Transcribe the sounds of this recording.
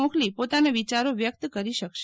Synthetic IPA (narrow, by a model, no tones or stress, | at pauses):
ɔ̃klipot̪anaʋit͡ʃaɾoʋjək̚t̪kəɾiʃəkʃ